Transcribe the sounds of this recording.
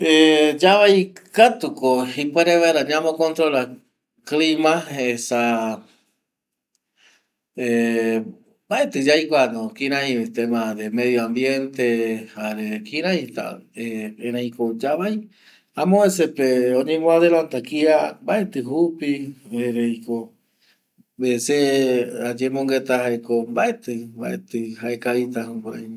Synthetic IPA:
ed͡ʒaβajkat̪ukohipweɾeβaɾaɲãmokont̪ɾola | klimaesa | e | baet̪ɨd͡ʒajkʷanõkiɾãiet̪emaðemeðjoambjent̪ehaɾekĩɾãhĩt̪a̰eeɾãikod͡ʒaβaj | amõesepeoɲĩmõaðelant̪akiambaet̪ɨɦupieɾeiko | besead͡ʒemõŋɡet̪ahaekombaʔet̪ɨba̰ʔḛt̪ɨhaekait̪ahukʷaaj

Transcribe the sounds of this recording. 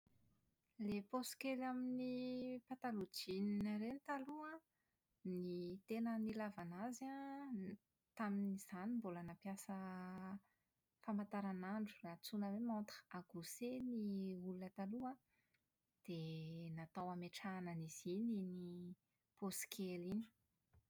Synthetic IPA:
leposi̥kelaminipat̪alud͡ʒininaɾenit̪alua | nit̪enənilavanaza | t̪aminiz̥animbolanapjasə | famant̪aɾanaɳɖ͡ʐu̥lat͡sunəwemant̪aɡ̥useniulunət̪alua | d̪̥enat̪awameʈ͡ʂananiz̥inini | poskʰelini̥

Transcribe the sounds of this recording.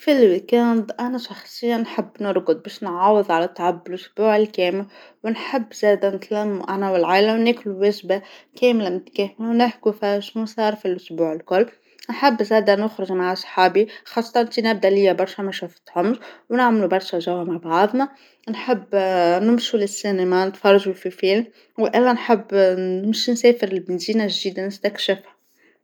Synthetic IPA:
filwikænd̪ʔænæʃɑxsˤɨjːanːħɪbːnʊɾˤɡʊd̪̚bɛːʃnʕɑːwəðˤʕalæt̪ˤːʕabːɪlʔʊsbuːʕɪlkɛːmɪl | wnħɪbːzæːd̪ænɪt̪læmːuʔanæwɪlʕaːlawnɪkluwæʒbakɛːmlamʊt̪kɛːmɪlwnɪhkufiʃnusˤɑːɾˤfilʔʊsbuːʕɪlkʊlː | nħɪbːzæːd̪ænʊxɾɪʒmaʕasˤħɑːbixɑːsˤːɑt̪ɑnt̪inɪb̚d̪ælɪjːæbɑɾˤʃæmæʃufɪ̥t̪ʕʊmːʒwnɪʕmlubɑɾˤʃæʒæwhamaʕbʕɑðˤnɑ | nħɪbːnɪmʃulɪsːinamænɪt̪fɑrˤɑʒufifilm | wʔɪlːænħəbːɪmʃnsɛːfɪɾɪlbɪnd̪iːnaʒd̪iːd̪anɪst̪ækʃɪfhḁ

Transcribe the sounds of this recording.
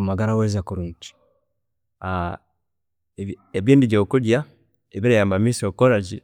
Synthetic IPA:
maɡaɾawezakuɾunt͡ʃi̥ | a | eβjiːndiɟoːkuɟja | eβiɾajaːmbamisiokoɾaɟi

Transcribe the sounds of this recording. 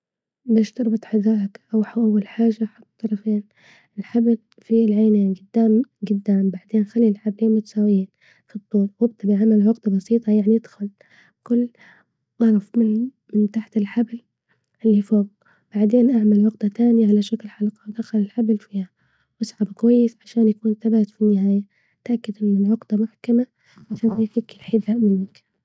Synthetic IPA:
bɪʃt̪ɑɾˤbɨt̪ˤħazaːʔakʔawħawʔawːalħaːʒaħʊt̪ˤːt̪ːˤɑɾˤɑfeːn | ɪlħabl | filʕajneːnɡʊd̪ːaːmɡʊd̪ːaːmbaʕd̪eːnxalːilħabliːnmʊt̪ḁsaːwjiːn | fid̪ˤːuːɾwɪb̚t̪abʕamalwɑɡt̪bɑsiːt̪ˤɑjaʕnid̪xʊl | kʊlː | ʔɑɾˤɑfmɪn | mɪnt̪aħt̪ɪlħabl | ʔɪlːifoːɡ | b̥aʕd̪eːnʔaʕmalwʊqd̪at̪aːnɪjaʕalaʃaklħalqɑwd̪axalɪlħablfiːha | wʔasʕabkwajːɪsʕaʃaːnjakuːnθabaːat̪finːɪhaːja | t̪ʔakːɪd̪ʔɪnːɪlʕʊqd̪amʊħkama | ʔaʃaːnifiːkɪlħɪdaʔmɪnːɪk

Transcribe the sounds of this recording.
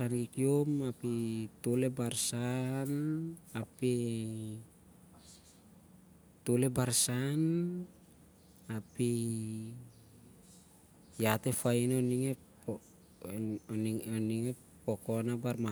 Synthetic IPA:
ankikiomapit̪olebarsanapi | t̪olebaɾsan | api | jat̪efainoniŋe | oniŋe | pokonabarma

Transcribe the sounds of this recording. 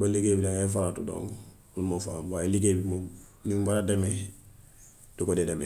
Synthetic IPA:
baliɡeːbidaŋefalatudõ̰ŋɡ | lumofabailiɡebimoniŋbaɾademe | d̥ukodedeme

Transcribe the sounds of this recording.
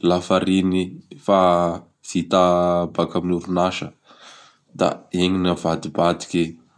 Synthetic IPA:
lafaɾinifa | z̥it̪abakaminuɾunaʃə | d̪̥a̰eŋinavad̪ibad̪i̥ke

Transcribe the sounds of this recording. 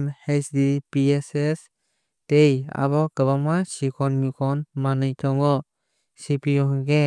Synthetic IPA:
mhesdipieses | teja̰βɔkəβamasikʰɔnmikʰɔnmanɯjt̪ʰɔŋɔ | sipijɔɦɯŋɡe

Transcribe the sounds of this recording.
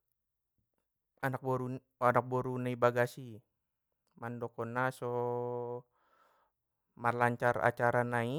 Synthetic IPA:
anak̚bɔɾu | anak̚bɔɾunaibaɡasi | mandɔkɔnasɔ | marlaɲt͡ʃara̰t͡ʃaɾanai

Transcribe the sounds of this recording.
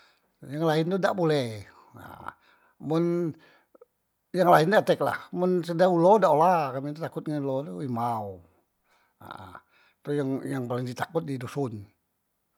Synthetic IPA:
jaŋlaɪnt̪uda̰ʔbolɛh | a̰ | mʊn | jaŋlaɪndaat̪ɛk̚la̰hmʊnsədaulodaʔolakamit̪ut̪akʊt̪̚ŋanulot̪uimau | a̰ | t̪ujaŋjaŋpalɪŋdit̪akʊt̪̚didusʊn

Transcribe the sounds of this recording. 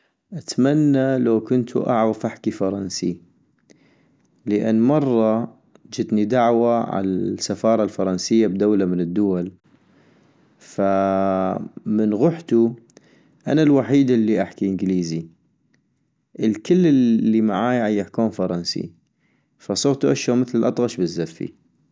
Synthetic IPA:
ʔat̪manːalawkʊnt̪ʰṵʔa̰ʕɣafʔaħkifɑɾˤɑnsi | ləʔa̰nːmɑrˤːɑ | d͡ʒɪd̪nid̪aʕwaʕa̰lasːafɑːɾˤɑlfɑɾˤɑnsɪjːabd̪awlamɪnɪd̪ːʊwal | fa | mənɣʊħt̪u | ʔa̰nalwaħiːd̪ɪlːiʔaħkiʔənɡliːzi | ʔəlkɪlːɪːimaʕaːjʕajːɪħkuːnfɑɾˤɑnsḭ | fasˤʊɣt̪uʔaʃoːmɪθlɪlʔɑt̪ˤɣɑʃbɪzːafːḭ

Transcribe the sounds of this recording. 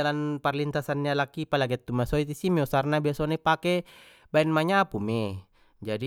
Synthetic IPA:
alanparlint̪asanːialakipalaɡat̪ːumasɔit̪isimeusarnabiasɔnepakɛ | baɛnmaɲapume | d͡ʒadi

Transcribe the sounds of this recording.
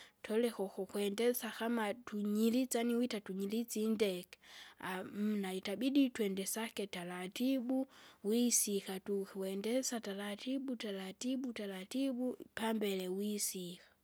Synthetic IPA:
tʰɔlɛkɔkɔkuɛndɛsakamatuɲilit͡saniwitatuɲilit͡sindɛkɛ̥am̩naitabiditwɛndɛsakɛtalatibuwisikatukiwɛndɛsatalatibutalatibutalatibupambɛlɛwisikḁ

